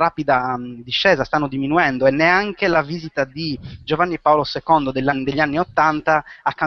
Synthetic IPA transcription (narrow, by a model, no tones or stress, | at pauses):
ɾapid̪ad̪iʃːɛːzast̪anːod̪iminuɛnd̪oɛnːeaŋkelaviːzit̪ad̪id͡ʒovanːiɛpaolosekɔnd̪od̪eʎːanːid̪eʎːianːiot̪ːant̪aakːa